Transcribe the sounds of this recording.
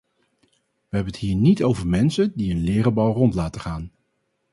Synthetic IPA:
ʋəɦɛbənəthɦiːɹnitowvəɹmɛnsəndiənlɪːrəbɑlˠrɔntlaːtəχaːn

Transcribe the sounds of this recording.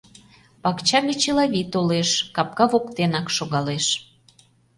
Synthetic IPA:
pɑkt͡ɕɑɣʲet͡ɕelɑβʲit̪oleʃkɑp̚kɑβokt̪enɑkʃoɣɑleʃ

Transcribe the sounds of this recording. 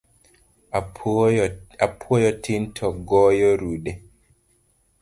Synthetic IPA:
apʰɔjɔtʰintʰɔɡɔjɔɾuɗɛ

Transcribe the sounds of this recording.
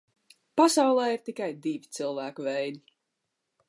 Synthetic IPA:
pasawlˠɛːiɾt̪ikajd̪ivʲit̪sɨlˠvæːkuvɛjd̪i

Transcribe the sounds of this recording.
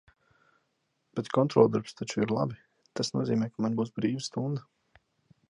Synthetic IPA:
b̥ɛt̪kɔnt̪ɾɔlˠd̪aɾpst̪at͡ʃuiɾlˠa̰bi | t̪asnṵɔziːmʲɛjkamanbuːsbɾiːvast̪und̪a

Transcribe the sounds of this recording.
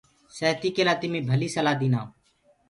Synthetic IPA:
səːt̪iːkeːlaːt̪ɪmĩːbʱəliːsəlaːd̪iːnaː

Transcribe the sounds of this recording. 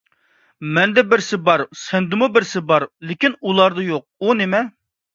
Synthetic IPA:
mɛnd̪ɛbɪɾsɪbɑɾsɛnd̪ɪmubɪɾsɪbɑɾlˠɪkʲinulˠɑɾd̪ɨjoq̚unɪmɛ

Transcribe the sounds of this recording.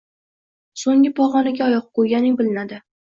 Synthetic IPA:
soŋʲɪpʰɒʁɒnaɡʲaɒjɒq̚qojɡʲanɪŋbɪlɪnad̪ɪ

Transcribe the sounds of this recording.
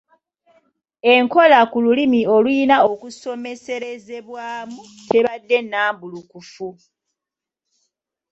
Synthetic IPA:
e̞ŋko̞lakululimio̞lwiːnao̞kuso̞me̞se̞ɾe̞ze̞βwaːmu | te̞βadːe̞nːaːmbulukufu

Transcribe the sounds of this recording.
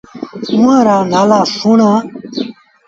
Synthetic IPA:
ũãɾanalasuɳa

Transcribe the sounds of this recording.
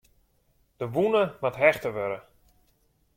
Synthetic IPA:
d̥əʋunəmatɦɛxtəʋøɾə

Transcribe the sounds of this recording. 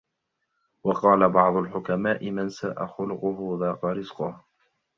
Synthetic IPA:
wɑqɑːlabɑʕd̪ˤʊlħʊkamaːʔɪmansaːʔa̰xʊlʊqʊɦʊðaːqɑɾɪzqʊh

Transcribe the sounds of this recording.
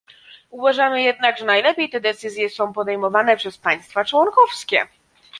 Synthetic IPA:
uvaʐamɘjɛd̪naɡʐɛnajlɛpʲjejt̪ɛd̪ɛt̪sɘzʲjɛsɔ̃w̃pɔd̪ɛjmɔvanɛpʂɛspaɲ̃st̪fat͡ʂwɔnkɔfskʲɛ

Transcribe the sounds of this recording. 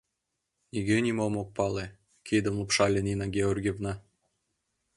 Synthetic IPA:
nʲiɡenʲimomok̚pɑle | kʰid̪ə̆mlˠopʃɑlʲenʲinɑɡʲeorɡʲevnɑ

